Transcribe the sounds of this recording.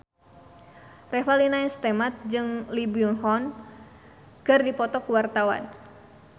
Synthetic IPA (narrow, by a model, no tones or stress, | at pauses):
rɛfalinaɛnst̪ɛmat̪̚d͡ʒɨŋlibiunhɔn | kɨrdipɔt̪ɔkuwart̪awa̰n